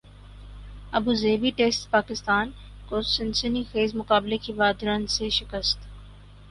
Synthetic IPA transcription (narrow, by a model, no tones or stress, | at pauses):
ɐbuːzeːbiʈeːsʈpaːkɪst̪aːn | kosɪnsənixeːzmʊkaːblekiʋaːd̪ɾənseʃɪkəst̪